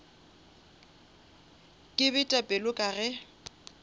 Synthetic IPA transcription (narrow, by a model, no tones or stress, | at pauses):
kʼɪbɛtʼapʼɛlʊkʼaɣɛ